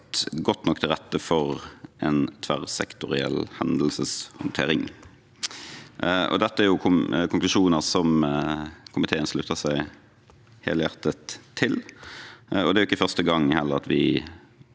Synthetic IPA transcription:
t̪ɡɔt̪ːnɔkːt̪ʰɪlʁɛt̪ːəfɔʁʔɛnt̪ʰʋæʁsɛ̰kt̪ʊʁɪɛ̰lhɛnd̪lsəshʊnt̪ʰḛːɾɪŋ | ʔɔ̰d̪ɛt̪ːəæɾjʊkʰʊkʰʊnŋklʉʃuːnəʁsɔm | kʰʊmɪt̪ʰeːənslʉːt̪əsæɪ | hḛːləjæʁt̪ət̪ʰːɪl | ɔd̪ɛːɾʊɪkːəfœʁst̪əɡɑŋːhɛlːəʁɑt̪ʋɪ

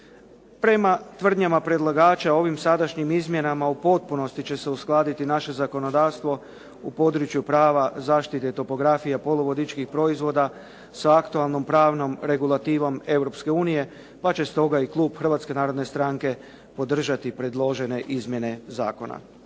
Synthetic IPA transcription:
pɾe̞mat̪ʋr̩d̪ɲamapɾe̞d̪lˠaɡaːt͡ʃao̞ʋimsad̪aʃɲimizmje̞namaupo̞t̪̚puno̞st̪it͡ɕe̞se̞usklˠaːd̪it̪inaʃe̞zako̞no̞d̪aːʋst̪ʋo̞ | upo̞d̪ɾut͡ʃjupɾaːʋazaːʃt̪it̪et̪o̞po̞ɡɾafijapo̞loʋo̞d̪it͡ʃkixpɾo̞izʋo̞ːd̪a | saakt̪ualˠno̞mpɾaːʋno̞mɾe̞ɡulˠat̪iːʋo̞me̞wɾo̞pske̞uːnije̞ | pat͡ɕe̞st̪o̞ɡaiklˠuːbxr̩ʋaːt̪ske̞naːɾo̞d̪ne̞st̪ɾaŋke̞ | po̞d̪r̩ʒat̪ipɾe̞d̪lˠo̞ʒe̞ne̞ʔizmje̞ne̞za̰ːko̞na̰

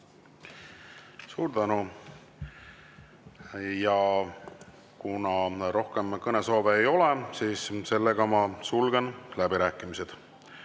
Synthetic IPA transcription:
suːɾd̪ænu | jɑ | kunɑro̞hke̞mkɤneso̞ːveːjo̞lesiːsse̞lːe̞ɡ̥ɑmɑsulɡ̥enlæbiɾæːkˑːimise̞d̪̥

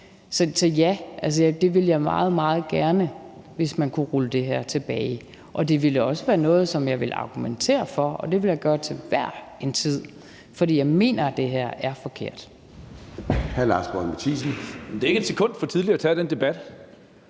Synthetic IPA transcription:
sɒ̽sɒ̽jæʔæls̬əjd̥e̝ʋe̝ljɑ̈ɪmɑ̰̈ːð̞̩ˠmɑ̈ːð̞̩ˠɡ̥æɐnəʋe̝smænkʰuʁuləd̥e̝ɦæɐ̰t͡sʰe̝b̥ɛːɪ | ʔɒ̽d̥e̝ʋelɒ̽səʋæːɐnɔ̽ːð̞̩ˠsɒ̽mjɑ̈ɪʋe̝lɑ̈ɡ̥ument͡sʰe̝̰ːɐfɒ̽ɒ̽d̥e̝ʋe̝ljɑ̈ɪɡ̥ɶːɐt͡sʰe̝lʋæɐ̰ent͡sʰið̰ˠ | fɒd̥ḭːjɑ̈ɪme̝̰ːnɐd̥e̝ɦæɐ̰æɐfɒ̽kʰe̝̰ɐ̰d̥ | hæɐlɑ̈sb̥ʁɒmet͡sʰḭːs̬n̩mendeɐeɡ̥əed̥sekʰɔ̽n̰d̥fɒ̽t͡sʰið̞ˠliɐt͡sʰɛd̥end̥e̝b̥æd̥

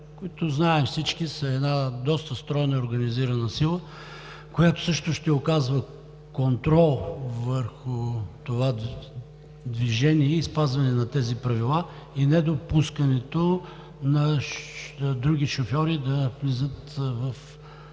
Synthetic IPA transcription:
koit̪ʊznaɛmfsit͡ʃk̟isɐɛd̪nad̪ɔst̪əst̪ɾɔjnəoɾɡɐniziɾɐnəsilˠə | kojat̪ʊ̥sɤʃt̪ʊʃt̪ɛokazvə | kont̪ɾɔlˠvəɾxʊt̪ova | d̪viʒɛniɛispazvɐnɛnɐt̪ɛzipɾɐvilˠa | inɛd̪opuskənɛt̪o | nɐ | d̪ɾuɡʲiʃofjɔɾid̪ɐvlizət̪vɐf

